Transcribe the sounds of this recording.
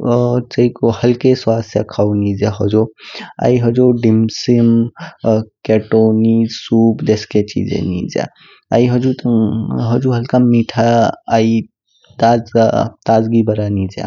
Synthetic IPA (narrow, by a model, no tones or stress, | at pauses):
t͡ʃəikohəlkeswast̪ʰja̰kʰawnid͡ʒeɦəd͡ʒoa̰iɦəd͡ʒoɖimsim | keʈonisupd̪esket͡ʃḭd͡ʒḛnḭd͡ʒɛ̰ | a̰iɦəd͡ʒut̪ɦəd͡ʒuɦəlkamiʈʰaːi | t̪ad͡ʒt̪ad͡ʒɡibəɾanid͡ʒɛ̰